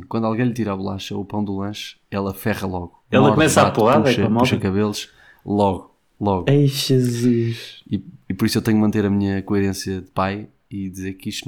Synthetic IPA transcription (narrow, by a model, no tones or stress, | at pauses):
kwɐ̃nd̪alˠɣɐ̃j̃ʎt̪iɾaβulˠa̰ʃɐupɐ̃w̃d̪ulˠɐ̃ʃ | ɛlˠɐfɛʁɐlˠɔɣuɛlˠɐkɔkumɛsaapuʁaðʃɐmɔʃɐkɐβelˠuʃ | lˠɔɣu | lˠɔɣejʒɨzuʃiipɔɾiswewt̪ɛɲumɐ̃nt̪eɾɐmiɲɐkuiɾẽsjɐðɨpaj | iðizeɾkiʃt̪